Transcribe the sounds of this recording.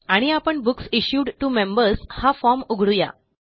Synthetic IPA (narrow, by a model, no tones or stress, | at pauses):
aɽ̃iapəɳbuksiɕjuɖʈumẽmbəɾshafɔɾmuɡʱɽuja̰